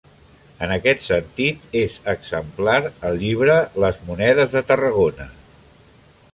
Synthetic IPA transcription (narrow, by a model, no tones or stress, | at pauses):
ənəkɛt̪sənt̪it̪ezəɡzəmplaɾəlˠʎiβɾələzmunɛðəzðət̪ərəɣ̞onə